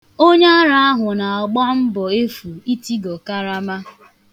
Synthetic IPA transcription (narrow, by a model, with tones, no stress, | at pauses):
o˦ɲe˦a˦ɾa˦a˦ɦʊ˨na˨a˨ɡ͡bɔ˦m̩˦bɔ˨e˦fu˨i˦ti˦ɡɔ˨ka˦ɾa˦ma˦